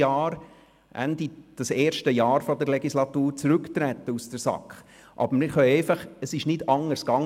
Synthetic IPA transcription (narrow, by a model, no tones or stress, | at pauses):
ɑːɾ | ʔæ̰ndid̥ɑseːɾʃtəjɑːɾfɔdəɾlɛɡislɑt̪uːɾt͡sɾʉkt̪ɾɛt̪ːəusd̥əɾsɑ̰kχ | ʔɑ̰bəɾmɪɾχœʏɛɪfɑχəsɪʃnɪdɑŋəɾskɑŋ